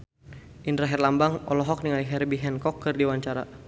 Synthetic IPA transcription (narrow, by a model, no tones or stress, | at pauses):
ʔint̪ɾaɦɛrlambaŋɔ̰lɔɦɔk̚niŋaliɦɛrbiɦɛnkɔkːɨrdiwaɲt͡ʃaɾa̰